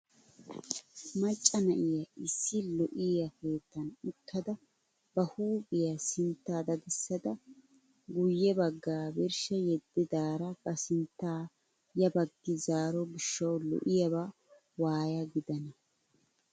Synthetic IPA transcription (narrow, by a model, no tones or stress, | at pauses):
mɐt͡ʃʼːɐnɐʔɪjɐɪsːɪlɔʔɪjɐke̞ːt̪ːɐnɪkʰːɐd̪ɐ | b̥ɐhuːbɪjɐsɪnt̪ːaːd̪ɐd̪ɪsːɐd̪ɐ | ɡʊjːɛbɐɡːaːbɪɾʃɛjɛd̪ːɪd̪aːɾɐbɐsɪnt̪ːaː | jɐbɐɡːɪzaːɾɔbɪʃːɐwlɔ̰ʔɪjɐβa | waːjɐɡɪd̪ɐnɐ